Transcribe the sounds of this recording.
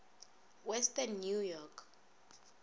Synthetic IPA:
wɛstanːjujɔkʰ

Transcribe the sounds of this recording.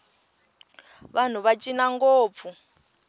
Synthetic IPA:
βan̤uβat͡ʃʼinaŋɡoːp̪fu

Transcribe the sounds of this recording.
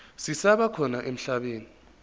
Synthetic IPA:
sisaɓakʰɔnaʔem̩ɬaɓeːni

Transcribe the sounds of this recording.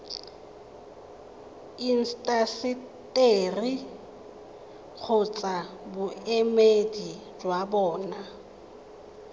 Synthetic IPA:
in̩stʼasɪ | tʼeri | k͡xʰʊt͡sʼabʊemedi | d͡ʒwabɔːna

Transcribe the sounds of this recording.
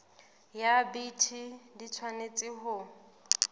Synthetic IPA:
jabitʰidit͡sʰwanet͡sʼɪɦʊ

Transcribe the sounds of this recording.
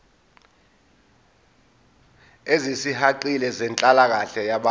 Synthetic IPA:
ezisihaǃilɛzɛnt͡ɬʼalak̬aɬɛjaɓa

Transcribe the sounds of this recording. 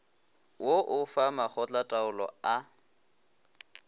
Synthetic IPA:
woʔʊfamaχɔt͡ɬʼatʼaʊlɔ̰a

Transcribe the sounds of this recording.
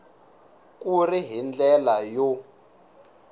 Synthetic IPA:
k̬ʼuriɦind͡ɮɛlajo

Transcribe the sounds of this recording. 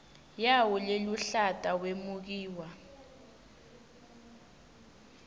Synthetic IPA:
jawuleluɬatʼawemuk̬iːwa

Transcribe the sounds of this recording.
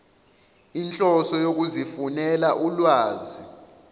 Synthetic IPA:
int͡ɬʼɔsɔjok̬uzifunɛlaʔulwaːzi

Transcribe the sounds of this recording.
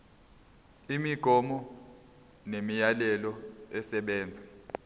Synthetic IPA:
imiɡ̥ʱɔmɔ | nemijalɛlɔɛsɛɓɛːnd͡zʱa

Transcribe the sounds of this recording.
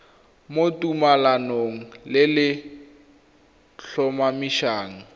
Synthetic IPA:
motumalanoŋ̩lɪlɪ | ɬɔmamiʃaːŋ̩

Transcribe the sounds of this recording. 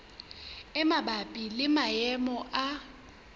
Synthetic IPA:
ɛmabapʼilɪmajɛmɔʔa

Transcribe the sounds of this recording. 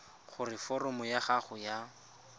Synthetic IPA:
χʊrɪfɔrʊmʊjaχaχʊja

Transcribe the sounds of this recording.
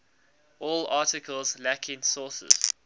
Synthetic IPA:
ʔɔːlɑːˑtɪkʰəlˠzlækʰɪ̃ŋsɔːˑsə̰z̥

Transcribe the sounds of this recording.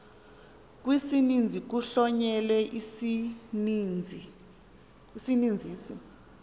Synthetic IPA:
k̬ʼwisinind͡zʱik̬uɬɔɲɛlɛʔi | nʱi | isinind͡zʱiːsḭ

